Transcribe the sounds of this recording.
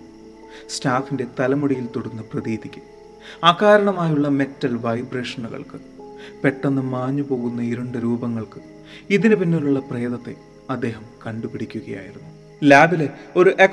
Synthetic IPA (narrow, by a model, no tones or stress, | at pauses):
staːfinde̞t̪ɐlɐmuɽijilt̪oɽunːɨprɐðiːd̪ikʲːu | aːkaːɾɐɳɐmaːjuɭːɐme̞tːɐlʋɐjbre̞ːʂɐnuɣɐ̰ɭkɨ | pe̞ʈːɐnːɨmaːɲːɨpo̞ːɣunːɐiɾuɳɖɨɾuːbɐŋːɐɭkɨ̥ | iðinɨpinːiluɭːɐpreːðɐt̪ːe̞̰ | ɐd̪ːe̞ːɦɐmkɐɳɖupiɽikʲːuɣɐja̰ːjiɾunːu | laːbile̞o̞ɾuʔek